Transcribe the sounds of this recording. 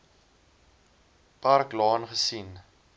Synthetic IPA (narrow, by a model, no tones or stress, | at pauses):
parklɑːnχəsin